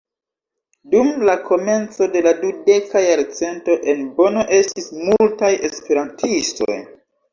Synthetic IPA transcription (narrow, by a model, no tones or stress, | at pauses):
dumlakʰo̞me̞nt͡so̞de̞ladude̞kajaɾt͡se̞nto̞ʔe̞nbo̞no̞ʔe̞stismultaje̞spe̞ɾantʰisto̞̰j